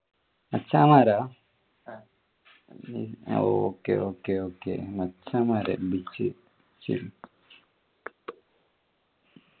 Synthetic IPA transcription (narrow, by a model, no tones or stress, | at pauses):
mɐt͡ʃːamaɾa | io̰okeokeokḛmɐt͡ʃːamaɾḛbit͡ʃi | t͡ʃḭ